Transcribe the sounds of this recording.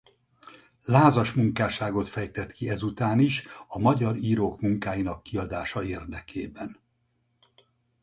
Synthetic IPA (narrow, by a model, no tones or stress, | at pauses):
laːzɒʃmuŋkaːʃaːɡo̞t̪fɛjt̪ɛt̪kiɛzut̪aːniʃɒmɒɟɒɾiːɾoːkmuŋkaːjinɒkːiɒd̪aːʃɒeːrd̪ɛkʰḛːbɛn